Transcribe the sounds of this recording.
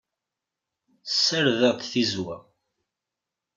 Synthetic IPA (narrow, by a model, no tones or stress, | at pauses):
sːəɾðəʁt̪θizwæ